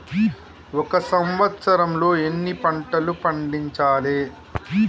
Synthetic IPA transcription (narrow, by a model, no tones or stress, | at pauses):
ɔkɐsɐmʋɐt̪sɐɾɐmlo̞ːenːipɐɳʈɐlupɐɳɖiɲt͡ʃaːleː